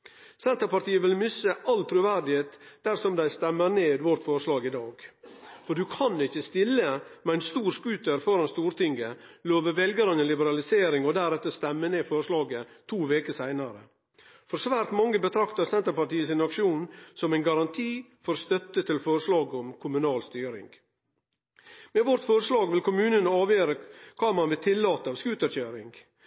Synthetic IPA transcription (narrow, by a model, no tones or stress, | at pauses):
sɛnt̪əɾpɑɾt̪iːəʋɪlmʏsəʔɑlt̪ʰɾʉʋæɾɖɪheːt̪d̪̥æɾsɔmd̪æɪst̪ɛmːəɾneːd̪ʋɔɾt̪fɔɾʂlɑːɡɪd̪ɑːɡfɔɖʉkʰɑnɪçːəst̪ɪlːəmɛæɪnst̪uːɾskʉːt̪əɾfɔɾɑnst̪uːɾt̪ʰɪŋɡəloːʋəɾʋɛlɡəɾənənlɪbəɾɑlɪseːɾɪŋɔd̪æɾɛt̪ːəst̪ɛmːəneːfɔɾʂlɑːɡət̪ʰuːʋeːkəsæɪnɑɾə̰ | fɔɾsʋæːɾt̪mɑŋːəbət̪ʰɾɑkt̪ɑsɛnt̪əɾpɑʈiːəsɪnɑkʃuːnsɔmæɪnɡɑɾɑnt̪ʰiːfɔɾst̪œt̪ət̪ʰɪlfɔɾʂlɑːɡɔmkʰʊmʉnɑːlst̪yːɾɪ̰ŋɡ | meːʋɔɾt̪fɔɾʂlɑːɡʋɪlkʰʊmʉːnənɑːʋjøːɾəkʰɑːmɑnʋɪt̪ʰɪlːɑːt̪əɑʋskʉːt̪əɾçøːɾɪ̰ŋɡ